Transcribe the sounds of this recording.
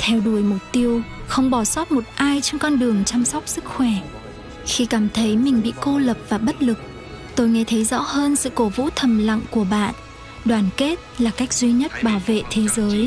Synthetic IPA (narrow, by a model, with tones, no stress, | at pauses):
t̪ʰɛ˧wɗu˧˩əjmʊ˨˩k͡p̚t̪i˧əwxə˧wŋ͡mɓɔ˧˩sɔ˦˥t̚mo˨˩t̚ʔaː˧jt͡ɕɔ˧ŋkɔ˧nɗɨ˨˩əŋt͡ɕa˧msa˦˥wk͡p̚sɨ˦˥k̚xwɛ˧˩ | xi˧kaː˧˩mt̪ʰə˨˦jmï˨˩ŋ̟ɓḭ˧˨ko˧lə˨˩p̚vaː˨˩ɓə˦˥t̚lɨ˨˩k̚ | t̪o˧jŋe˨˧t̪ʰə˨˦jzɔ̰˧˥həː˧nsɨ̰˧˨ko˨˦vṵ˧˥t̪ʰə˨˩mla̰˧˨ŋku˧˩əɓa̰ː˧˨n | ɗwaː˧˩nke˦˥t̚laː˨˩ka˦˥jk̟̚zwi˧ɲə˦˥t̚ɓaː˧˩wvḛ˧˨t̪ʰe˨˦zəː˨˦j